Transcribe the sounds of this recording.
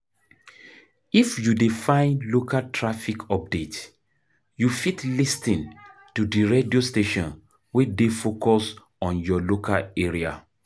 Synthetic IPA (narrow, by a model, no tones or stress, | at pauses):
ifjudifãɪ̃nlokatʰɹafikʰɔp̚det | jufitlistĩntudiɹediosteʃɔ̃n | wɛdefokʰɔs | ɔ̃njɔlokʰa̰leɹia